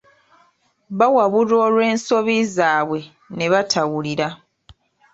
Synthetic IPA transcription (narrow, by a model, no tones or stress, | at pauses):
βawaβuɾo̞ːlwe̞ːnso̞βizaːβwe̞ | ne̞βatʰawuliɾa